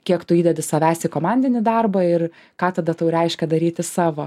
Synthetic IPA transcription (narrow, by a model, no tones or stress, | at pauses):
kʲiɛkt̪ʊiːd̪ʲɛd̪ʲɪsɐʋʲæːsʲɪkoːmɑnʲd̪ʲɪnʲɪd̪ɐrbɐɪr | kɑːt̪ɐd̪ɐt̪ɐʊɾʲɛɪʃʲkʲɛd̪ɐɾʲiːt̪ʲɪsɑːʋoː